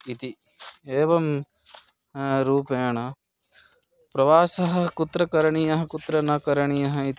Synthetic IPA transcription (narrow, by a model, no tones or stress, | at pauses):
it̪i | eːʋɐm | ɾuːpejɐɳɐ | pɾɐʋaːsɐɦɐ̆kut̪ɾɐkɐɾɐɳijɐɦɐ̆kut̪ɾɐnɐkɐɾɐɳijɐɦɐit̪i